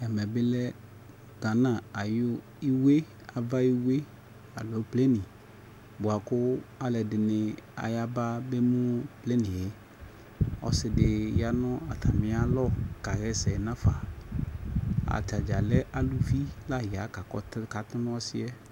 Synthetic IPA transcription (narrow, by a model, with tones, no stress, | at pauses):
ɛ˨mɛ˨bɪ˦lɛ˦ | ɡa˨nã˨a˨jʊ˦ | i˦we˦ | a˨va˦i˦we˦ | a̰˨lo˨˦ple˦nĩ˨ | bʊ˨a˨kʊ˦a˨lɛ˨dɪ˨nɪ˨a̰˨ja˦ba˦be˦mũ˦ple˦nĩ˨jɪ˨˦ | ɔ̰˨sɪ˨dɪ˨ja˦nɔ̃˦a˨t̪ʰa˨mɪ̃˦a˦lɔ˦ka˨ɣɛ˦sɛ˨nã˦fa˨ | a̰˨t̪a˨d͡ʒa˨lɛ˦ʔa˨lu˦vi˦la˦ɦi˨a˨˦ka˨kɔ˦tka˨t̪ɪ˦m˦ɔ˦sɪ˦ɛ˦